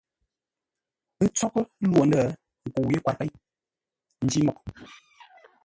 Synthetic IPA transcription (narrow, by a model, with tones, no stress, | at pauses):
ɨ˦t͡sɔ˦klwo˨ndə˦˨ | ŋ̩˨ku˨wje˦kwa˨t̚pɛ˦ | n̩˦d͡ʒi˦mɔ˨k